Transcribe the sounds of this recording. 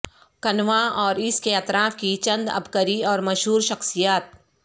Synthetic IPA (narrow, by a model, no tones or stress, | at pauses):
kɐnʋaɔːɾɪskeɐt̪ɾaːfkit͡ʃɐ̃nd̪ɐ̰bkəɾiɔːɾmɐʃɦuːɾʃɐxsijaːt̪̚